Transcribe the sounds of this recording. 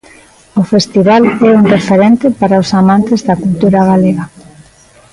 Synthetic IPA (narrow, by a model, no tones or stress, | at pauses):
ofest̪iβalɛuŋrefeɾent̪epaɾaosamãnt̪ezðakult̪uɾaɣaleɣa